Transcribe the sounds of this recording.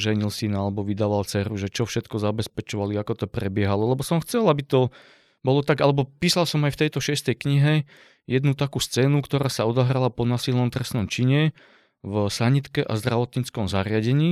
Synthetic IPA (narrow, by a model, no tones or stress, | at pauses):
ʒɛɲilsinalɛbɔʋid̪aːʋalt͡sɛɾuʒɛt͡ʃɔfʃɛt̪kɔzabɛspɛt͡ʃɔʋaliakɔt̪ɔpɾɛbɪɛɦalɔlɛbɔsɔmxt͡sɛlabit̪ɔ | bɔlɔt̪aɡalɛbɔpiːsalsɔmajft̪ɛjt̪ɔʃɪɛst̪ɛjkɲiɦɛ | jɛd̪nut̪akuːst͡sɛːnukt̪ɔɾaːsaɔd̪ɔɦɾalapɔnasilnɔmt̪ɾɛsnɔmt͡ʃiɲɛ | vsaɲit̪kɛʔa̰zd̪ɾaʋɔt̪ɲit͡skɔmzaɾɪaɟɛɲiː